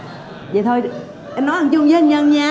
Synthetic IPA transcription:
zə̰˨jt̪ʰo˧j | ʔnːɔ˨˦hə˨˩ŋt͡ɕʊ˧ŋ͡mzə˧˦˨ɲə˧nɲaː˧

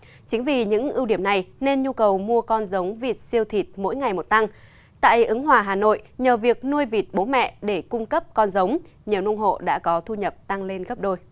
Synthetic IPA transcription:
t͡ɕï˨˦ŋ̟vi˨˩ɲɨ̰˧˥ŋʔi˧wɗi˧˩əmna˨˩jne˧nɲu˧kə˨˩wmu˧əkɔ˧nzə˨˦wŋ͡mvi˨˩t̚si˧əwt̪ʰi˨˩t̚mo̰˧˥jŋa˨˩jmo˨˩t̚t̪a˧ŋ | t̪a̰ː˧˨jʔɨ˨˦ŋɦwaː˨˩ɦaː˨˩no̰˧˨jɲəː˨˩vi˨˩ək̚nu˧əjvi˨˩t̚ɓo˨˦mɛ̰˧˨ɗe˧˩kʊ˧ŋ͡mkə˦˥p̚kɔ˧nzə˨˦wŋ͡mɲi˨˩wnṵ˧ŋ͡mɦo̰˧˨ɗa̰ː˧˥kɔ˨˦t̪ʰu˧ɲə˨˩p̚t̪a˧ŋle˧nɣə˦˥p̚ɗo˧j

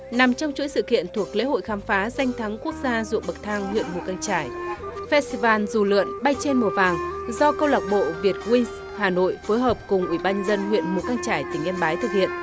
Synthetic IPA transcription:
na˨˩mt͡ɕɔ˧wŋ͡mt͡ɕṵ˧˥jsɨ̰˧˨kḭ˧˨ənt̪ʰu˨˩ək̚lḛ˧˥ho̰˧˨jxaː˨˦mfaː˨˦za˧jŋ̟t̪ʰa˨˦ŋku˦˥ək̚zaː˧zʊ̰˧˨əŋ̚ɓə˨˩k̚t̪ʰaː˧ŋwḭ˧˨ənmu˨˩kaː˧ŋt͡ɕaː˧˩jfɛ˦˧stvaː˧˩nzu˨˩lɨ̰˧˨ənɓa˧jt͡ɕe˧nmu˨˩əvaː˨˩ŋzɔ˧kə˧wlaː˨˩k̚ɓo̰˧˨vi˨˩ət̚kwi˧ŋs | haː˨˩no̰˧˨jfoː˨˦jɦəː˨˩p̚kʊ˨˩ŋ͡mʔwi˧˩ɓaː˧nɲə˧nzə˧nhwḭ˧˨ənmu˨˩kaː˧ŋt͡ɕaː˧˩jt̪ï˧˩ŋ̟ʔɛ˧mɓaː˨˦jt̪ʰɨ˨˩k̚hḭ˧˨ən

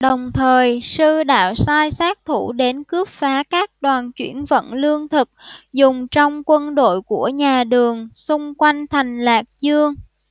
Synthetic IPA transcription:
ɗə˨˩wŋ͡mt̪ʰəː˨˩jsɨ˧ɗa̰ː˧˨wsaː˧jsaː˦˥k̚t̪ʰu˧˩ɗe˨˦nkɨ˦˥əp̚faː˨˦kaː˦˥k̚ɗwaː˨˩nt͡ɕwḭ˧˩ənvə̰˧˨nlɨ˧əŋt̪ʰɨ˨˩k̚zʊ˨˩ŋ͡mt͡ɕɔ˧wŋ͡mkwə˧nɗo̰˧˨jku˧˩əɲaː˨˩ɗɨ˨˩əŋsʊ˧ŋ͡mkwa˧jŋ̟t̪ʰa˨˩jŋ̟laː˨˩k̚zɨ˧əŋ

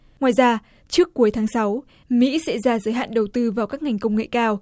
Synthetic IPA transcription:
ŋwaː˨˩jzaː˧ | t͡ɕɨ˦˥əkːu˨˦jt̪ʰaː˨˦ŋsa˨˦w | mḭ˧˥sɛ̰˧˥zaː˧zəː˨˦jɦa̰ː˧˨nɗə˨˩wt̪ɨ˧vaː˨˩wkaː˦˥k̚ŋa˨˩jŋ̟kə˧wŋ͡mŋḛ˧˨kaː˧w

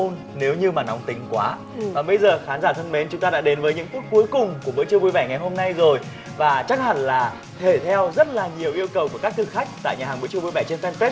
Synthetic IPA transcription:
o˧n | ne˨˦wɲɨ˧maː˨˩na˨˦wŋ͡mt̪ï˨˦ŋ̟kwaː˨˦ | vaː˨˩ɓə˧jzəː˨˩xaː˨˦nzaː˧˩t̪ʰə˧nme˨˦nt͡ɕʊ˨˦ŋ͡mt̪a˧ɗa̰ː˧˥ɗe˨˦nvəː˨˦jɲɨ̰˧˥ŋk̪u˦˥ək̚ku˨˦jkʊ˨˩ŋ͡mku˧˩əɓɨ̰˧˥t͡ɕɨ˧vu˧jvɛ˧˩ŋa˨˩jɦo˧mna˧jzo˨˩j | vaː˨˩t͡ɕa˦˥k̚ha̰˧˨˩nlaː˨˩ | t̪ʰe˧˩t̪ʰɛ˧wzə˦˥t̚laː˨˩ɲi˨˩əwʔi˧əwkə˨˩wku˧˩əkaː˦˥k̚t̪ɨ˨˩k̚xa˦˥k̟̚t̪a̰ː˧˨jɲaː˨˩aː˨˩ɓɨ̰˧˥t͡ɕɨ˧vu˧jvɛ˧˩t͡ɕe˧nfɛ˧nfɛ˦˥

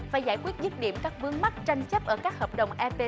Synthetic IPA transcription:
faː˨˩jzaː˧˩jkwi˦˥ət̚zɨ˦˥t̚ɗi˧˨əmkaː˦˥vɨ˨˦əŋma˦˥t̚t͡ɕa˧jŋ̟t͡ɕə˦˥p̚ʔəː˧˩kaː˦˥k̚həː˨˩p̚ɗə˨˩wŋ͡mʔɛ˧pe˧

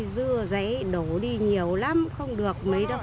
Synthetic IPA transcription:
zɨ˧əza̰˧˥˦ɗo˧˩ɗi˧ɲi˨˩əwla˨˦mxə˧wŋ͡mɗɨ˨˩ək̚mə˨˦jɗə˧w

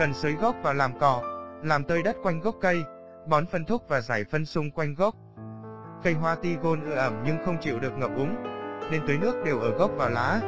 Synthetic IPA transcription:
kə˨˩nsəː˨˦jɣɔ˦˥k͡p̚vaː˨˩wlaː˨˩mkɔ˨˩laː˨˩mt̪əː˧jɗə˦˥t̚kwa˧jŋ̟ɣə˦˥wk͡p̚kə˧j | ɓɔ˨˦nfə˧nt̪ʰʊ˦˥k̚vaː˨˩zaː˧˩jfə˧nsʊ˧ŋ͡mkwa˧jŋ̟ɣə˦˥wk͡p̚ | kə˧jɦwaː˧t̪i˧ɣo˧nʔɨ˧ʔə˧˩mɲɨ˧ŋxə˧wŋ͡mt͡ɕḭ˧˨wɗɨ˨˩ək̚ŋə˨˩p̚ʔʊ˨˦ŋ͡mne˧nt̪əː˨˦jnɨ˦˥ək̚ɗe˨˩wʔəː˧˩ɣɔ˦˥k͡p̚vaː˨˩wlaː˨˦

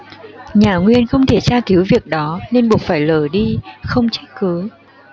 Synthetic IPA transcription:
ɲaː˨˩ŋwi˧ənxə˧wŋ͡mt̪ʰe˧˩t͡ɕaː˧ki˨˦wvi˨˩ək̚ɗɔ˨˦ne˧nɓu˨˩k̚faː˧˩jləː˧˩ɗi˧xə˧wŋ͡mt͡ɕa˦˥jk̚kɨ˨˦

